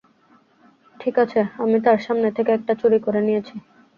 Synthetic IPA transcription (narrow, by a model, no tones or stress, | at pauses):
ʈʰikat͡ɕʰeamit̪aɾʃamnet̪ʰekeɛk̚ʈat͡ɕuɾikoɾenijet͡ɕʰi